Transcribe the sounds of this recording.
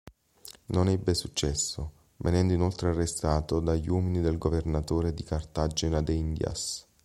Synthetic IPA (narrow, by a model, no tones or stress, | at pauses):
nonɛbːesut͡ʃːɛsːo | venɛnd̪oinolt̪ɾearːest̪aːt̪od̪aʎwɔːminid̪elɡovernat̪oːɾed̪ikart̪ad͡ʒenad̪eind̪ja̰s